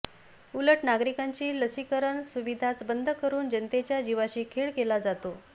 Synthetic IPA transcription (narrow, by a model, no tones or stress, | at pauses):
uləʈnaɡɾikaɲt͡ɕiːləsikəɾəɳsuʋid̪ʱat͡sbənd̪ʱkəɾuːnd͡ʑənt̪et͡ɕjad͡ʑiʋaɕiːkʰeɭkelad͡zat̪o